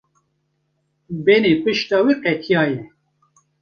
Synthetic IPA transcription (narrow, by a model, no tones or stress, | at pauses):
bɛnepɨʃt̪ɑːwiqɛt̪ʰijɑːjɛ